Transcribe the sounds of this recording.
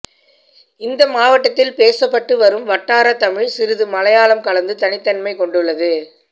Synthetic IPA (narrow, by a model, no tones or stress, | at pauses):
ɪnd̪ɐmaːʋɐʈːɐt̪ːɪlpeːsɐpːɐʈːɯʋɐɾɯmʋɐʈːaːɾɐt̪ɐmɪɻsɪɾɯðɯmɐlɐjaːlɐmkɐɭɐnd̪ɯt̪ɐnɪt̪ːɐnmɐɪkɔɳɖɯɭːɐðɯ